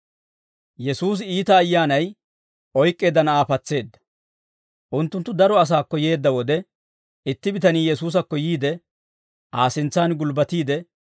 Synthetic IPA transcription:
jɛsuːs̬iːt̪ɐːjːaːnɐj | ʔɔjkʼːe̞ːd̪ɐnɐaːfɐt͡sːe̞ːd̪ːɐ̥ | ʔʊnt̪ːʊnt̪ːʊd̪ɐɾɔɐs̬aːkːɔje̞ːd̪ːɐwɔd̪ɛ | ɪt̪ːɪbɪt̪ɐniːjɛsuːs̬ɐkːɔjiːd̪ɛ | ʔaːsɪnt͡sːaːnɡʊlbɐt̪iːd̪ɛ

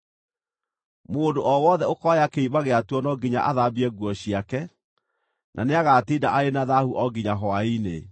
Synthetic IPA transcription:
moːdoʔɔwɔðɛokɔajakeimaɣeatwɔnɔɡiɲa̰ʔaðabiɛɡwɔɕiakɛ | nʔa̰neaɣatidaʔaenaðahuʔɔɡiɲaɦɔainḛ

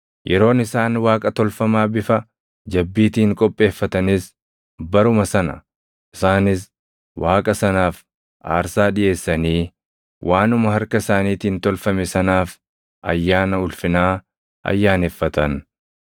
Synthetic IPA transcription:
jʔɛɾo̞ːnɪsaːnwaːkʼɐt̪ɔlfɐmaːbɪfɐ | d͡ʒɐbːiːt̪iːŋkʼɔpʼːe̞ːfːɐt̪ɐnɪs | bɐɾʊmɐsɐnɐ̰ | ʔɪsaːnɪs | waːkʼɐsɐnaːf | ʔa̰ːɾsaːᶑɪʔe̞ːsːɐniː | wʔaːnʊmɐɦɐɾkɐɪsaːniːt̪iːnt̪ɔlfɐmɛsɐnaːf | ʔɐ̰jːaːnɐʊlfɪnaː | ʔɐ̰jːaːnɛfːɐt̪ɐn

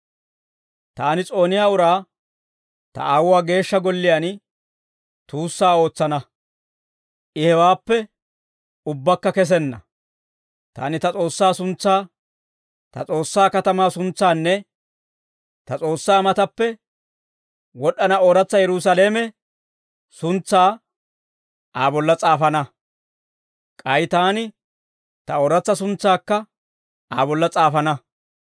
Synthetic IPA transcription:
t̪aːnɪt͡sʼo̞ːnɪjaːʊɾaː | t̪ɐ̰ʔaːwaːɡe̞ːʃːɐɡɔlːɪjaːn | t̪uːsːaːo̞ːt͡sːɐnɐ | ʔɪhɛwaːpːɛ | ʊbːɐkːɐkɛs̬ɛnːɐ | t̪a̰ːnɪt̪ɐt͡sʼo̞ːsːaːsʊnt͡sːaː | t̪ɐ̰t͡sʼo̞ːsːaːkɐt̪ɐmaːsʊnt͡sːaːnːɛ | t̪ɐt͡sʼo̞ːsːaːmɐt̪ɐpːɛ | wɔɗːɐnɐoːɾɐt͡sːɐjɛɾʊs̬ɐleːmɛ | sʊnt͡sːaː | ʔaːbɔlːɐt͡sʼaːfɐnɐ | kʼɐjɪt̪aːnɪ | t̪ɐoːɾɐt͡sːɐsʊnt͡sːaːkːɐ | ʔaːbɔlːɐt͡sʼaːfɐnɐ

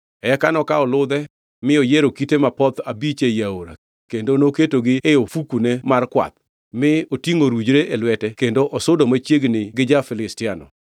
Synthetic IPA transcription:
ɛkanɔkaɔlʊd̪ɛ | mɪɔjeɾokitemapɔt̪abit͡ʃejaoɾa̰ | kendonoketoɡɪeofukunemarkwa̰t̪̚ | mɪotiŋoɾud͡ʒɾeʔelwɛtɛkendoʔɔsʊdomat͡ʃjeɡnɪɡɪd͡ʒafɪlɪstɪanɔ̰

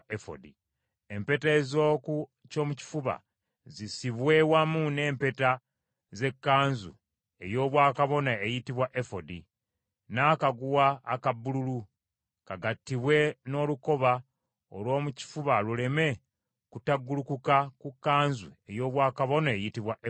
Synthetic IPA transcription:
efo̰di | e̞mpe̞teːzo̞ːku | co̞ːmuci̥fuβa̰ | zisiβwe̞wamune̞ːmpe̞ta | ze̞kːaːnzṵ | e̞̰jo̞ːβwaːkaβo̞naejitiβwaʔefo̞di | naːkaɡuwaːkabːululu | kaɡatːiβwe̞no̞ːluko̞βa | o̰lwo̞ːmuci̥fuβalule̞me̞ | kutaɡːulukukakukːaːnzue̞jo̞ːβwaːkaβo̞naejitiβwaʔe

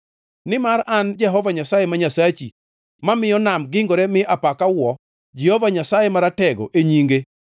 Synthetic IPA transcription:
nɪmaɾand͡ʒɛɦɔvaɲasajemaɲasat͡ʃi | mamɪjɔnamɡɪŋɡoɾɛmɪʔapakawɔ | d͡ʒɛhɔvaɲasajemaɾatɛɡo̰ʔeɲiŋɡe

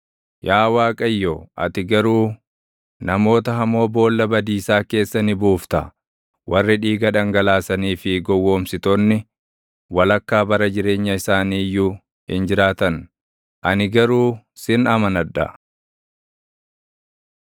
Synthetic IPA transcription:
jaːwaːkʼɐjːoʔɐ̰t̪ɪɡɐɾuː | nɐmo̞ːt̪ɐɦɐmo̞ːbo̞ːlːɐbɐd̪iːsaːke̞ːsːɐnɪbuːft̪ɐ̰ | wɐrːɪᶑiːɡɐᶑɐŋɡɐlaːsɐniːfɪɡɔwːo̞ːmsɪt̪oːnːɪ | wɐlɐkːaːbɐɾɐd͡ʒɪɾe̞ːɲːɐɪsaːniːjːu | hɪ̰nd͡ʒɪɾaːt̪ɐn | ʔɐnɪɡɐɾuː | sɪnɐmɐnɐᶑːɐ̰

